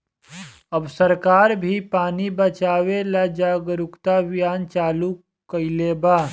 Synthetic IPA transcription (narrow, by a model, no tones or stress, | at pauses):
ɐbsəɾkaːɾbʱipaːnibət͡ʃaːwelad͡ʒaːɡɾʊkt̪abɪjaːnt͡ʃaːlu | kəɪleːbaː